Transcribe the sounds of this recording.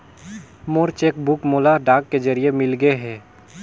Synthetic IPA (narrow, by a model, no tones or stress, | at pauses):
moːɾt͡ʃeːkbʊkmoːlaɖaːkːed͡ʒəɾijemɪlɡeɦɛː